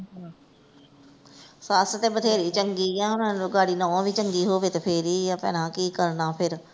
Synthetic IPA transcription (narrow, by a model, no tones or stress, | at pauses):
saːsə̆t̪ebɐd̪ʱeːɾit͡ɕɐ̃ŋɡijãːʊn̤ənɪd͡ʑoːɡaːɽinɐõbit͡ɕɐ̃ŋɡiɦoːʋet̪ɐpʰeːɾijãpɐ̰̃ːnãkiːkɐɾnãːpʰɪɾ